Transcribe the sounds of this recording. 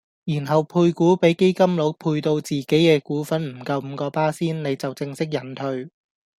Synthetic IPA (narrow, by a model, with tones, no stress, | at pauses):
jiː˨˩nɦɐ˨wpʰuː˧jkuː˨˥pe˨˥jke˥jkɐ˥mlo˨˥wpʰuː˧jt̪o˧wt͡siː˨ke˨˥jkɛː˧kuː˨˥fɐ˨˥nm̩˨˩kɐ˧wm̩˨˧kɔː˧paː˥siː˥nne˨˧jt͡sɐ˨wt͡sɪ˧ŋsɪ˥k̚jɐ˨˩nt̪ʰɵ˧ɥ